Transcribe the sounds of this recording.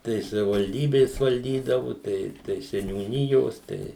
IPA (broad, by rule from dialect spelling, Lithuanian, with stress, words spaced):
tɐɪ sɐʋʲɪʋɐlʲˈdʲiːbʲeːs ʋɐlʲˈdʲiːdɐʋʊ ˈtɐɪ tɐɪ sʲɛnʲuːˈnʲɪjoːs ˈtɐɪ